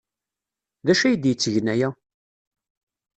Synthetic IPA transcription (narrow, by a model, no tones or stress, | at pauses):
ðæʃæjəd̪jət͡sːəʝnæjæ